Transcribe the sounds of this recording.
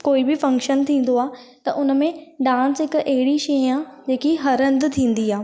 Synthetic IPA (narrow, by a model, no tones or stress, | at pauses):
koːibɪfɐ̃ŋkʃənt̪ʰĩːn̆d̪oaː | t̪ɐʔʊn̆mẽɖãːnsɦɪkʔɐɦɪɽiʃɐiaːd͡ʑeːkiɦɐɾə̃nd̪t̪ʰĩːn̆d̪iaː